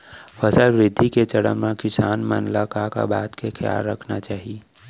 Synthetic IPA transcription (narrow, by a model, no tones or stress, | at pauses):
fəsəlʋɾɪd̪ʱːiket͡ʃɐɽə̰mnãkɪsaːnmə̰nlakaka̰baːt̪kekʰja̰ːlːəkʰnat͡ʃaːɦie